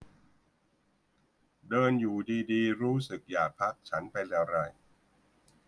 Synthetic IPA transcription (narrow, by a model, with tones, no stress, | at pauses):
dɤː˧njuː˨˩diː˧diː˧ɾuː˦˥sɯ˨˩k̚jaː˨˩k̚pʰa˦˥k̚t͡ɕʰa˦˥npa˧jlɛː˨˩wɾa˧˩j